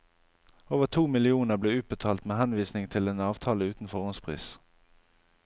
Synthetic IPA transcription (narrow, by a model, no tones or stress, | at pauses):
oːʋət̪ʰuːmɪlɪuːnəʁbleːʉːt̪̚bət̪ʰɑːlt̪meːhɛnʋiːsnɪŋt̪ʰɪleːnɑːʋt̪ʰɑːləʉːt̪n̩fɔʁʊnspʰʁḭːs